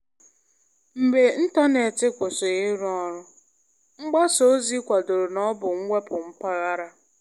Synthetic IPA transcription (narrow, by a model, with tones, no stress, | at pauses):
m̩˨be˨n̩˦ta˦ne˨tɪ˦kʷʊ˨so˨ɣe˦ɾu˦ɔ˦ɾʊ˦ | ŋ͡m̩˦ɡ͡ba˦so˨˦zi˦kʷa˨do˨ɾo˨nɔ˦bʊ˨ŋ̩˦ŋʷe˦pʊ˨ŋ͡m̩˦pa˦ɣa˦ɾa˦